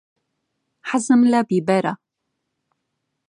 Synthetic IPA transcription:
ħazəmlabibaɾa

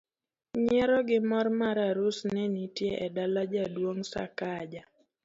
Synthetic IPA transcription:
ɲɛɾɔɡɪmɔrmaɾaɾʊsnɛnitjeʔɛdalad͡ʒadwoŋsa̰kad͡ʒa

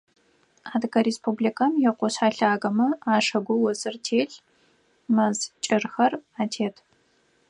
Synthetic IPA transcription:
aːdkɐɾespʰublikʰɐmjɛqʷɔɕaːɬaːɣɐmɐaːʂɐɡʷʊwɔsʼɨrtʰeːɬ | mɐzt͡ʃʼɪrxɐraːtʰeːtʰ

